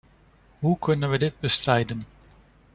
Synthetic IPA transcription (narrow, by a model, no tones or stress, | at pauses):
ɦukʰɵnənʋədɪd̚bəstrɛjdən